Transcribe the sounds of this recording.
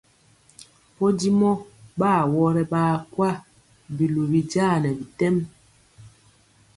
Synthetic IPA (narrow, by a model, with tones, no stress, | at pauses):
pɔ˦di˦mɔ˦ɓaː˦˨wɔ˦ɾɛ˦ɓaː˦kwa˦˨ | bi˨lu˨bi˨d͡ʒaː˦˨nɛ˨bi˨tɛ˦m